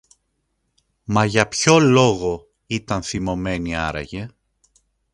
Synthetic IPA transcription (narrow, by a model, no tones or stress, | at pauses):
mɐʝɐpço̞lo̞ɣo̞ | it̪ɐnθimo̞me̞niɐ̰ɾɐ̰je̞